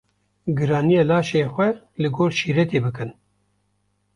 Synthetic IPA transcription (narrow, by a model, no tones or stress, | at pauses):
ɡɨɾɑːnijelaːʃeːxʷɛ | lɨɡoːɾʃiːɾɛt̪eːbɨkɨn